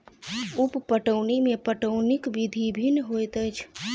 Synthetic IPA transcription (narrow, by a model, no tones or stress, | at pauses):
uppəʈəwnimepəʈəʊnikbid̪ʱibʱinɦojt̪əjt͡ʃʰ